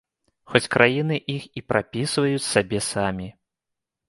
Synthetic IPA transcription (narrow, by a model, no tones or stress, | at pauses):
xɔt͡sʲkɾʔajinɨʔixipɾʔapʲisvɐjut͡sʲsabʲɛsamʲi